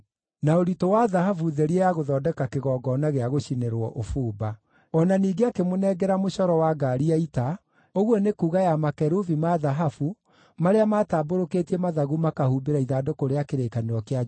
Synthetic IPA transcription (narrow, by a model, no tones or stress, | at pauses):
naoɾitowaðahafuðɛɾiejaɣoðɔːdɛkakeɣɔːɡɔnaɣeaɣoɕineɾwɔ̰ʔofuːba | ɔnaniːɡeakemonɛɡɛɾamoɕɔɾɔwaɡaɾiaita | oɣwɔnekuːɣajamakɛɾuvimaðaɦafu | maɾeamaːtaːboɾokeːtiɛmaðaɣumakahuːbeɾaiðaːdokoɾeakeɾeːkaneɾɔkea